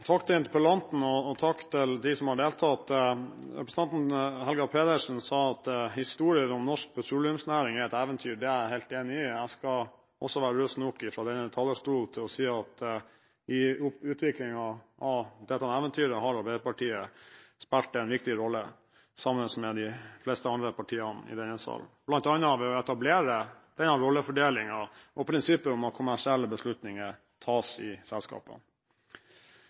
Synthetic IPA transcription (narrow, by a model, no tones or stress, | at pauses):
t̪ʰɑkt̪ʰɪnt̪ɪpəlɑnt̪n̩ɔɔt̪ʰɑkt̪ʰɪld̪ɪsɔmhɑɖeːlt̪ʰɑt̪ɾɛpɾəsn̩ɑnt̪nɦɛlɡɑpʰeːd̪əʂn̩sɑːɑt̪hɪst̪uːɾɪəɾɔmnɔʂk̚pʰɛsuːlɪəmsnæːɾɪŋæɾɛt̪æːʋənt̪ʰyːɖɛæɾhæɪlt̪eːnɪɪæɪskɑ | ʔɔ̰sːɔʋæːɾəɾøːsnɔkːɪfɾɑd̪ɛnəət̪ʰɑːləʂʈuːlt̪ʰɪlɔsiːɑt̪ | ʔɪʉːt̪ʰʋɪklɪŋɑɑʋd̪ɛt̪ːɑɛnɛːʋənt̪ʰyːɾəɦɑɾʋɑbeːɾəpɑʈʰiːəspɛlʈ̪əɛnʋɪk̚t̪ɪɾɔlːə | sɑmənsmɛd̪ɪflɛst̪əɑnd̪ɾəpʰɑʈʰiːənɪ̰d̪ɛnːəsɑ̰lblɑnt̪ɑnːəɑʋɛɔɛt̪ɑbleːɾəd̪̥ɛnɑɾɔlːəfɔɖeːlɪŋɑʔɔpʰɾɪnsɪpːəɾʊmɑt̪̚kʰʊmæʂɪɛlːəbəslʉt̪nɪŋə | t̪ʰɑːsɪsɛlskɑ̰ːpə̰